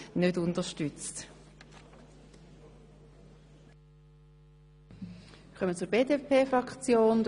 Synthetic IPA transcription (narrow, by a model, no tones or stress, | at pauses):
nødʊndəʃtʏt͡st | χœmət͡suɾbeːdepʰeːfʁɑkt͡sjoːnd